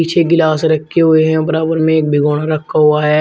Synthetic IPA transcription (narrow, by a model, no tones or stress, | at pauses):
iːt͡ʃʰeɡɪlaːsɾɐkʰːeɦʊeɦɛ̃bɐɾaːbəɾmẽeːk̚bʱɪɡoːɽ̃aɾɐkʰːaɦuaɦɛ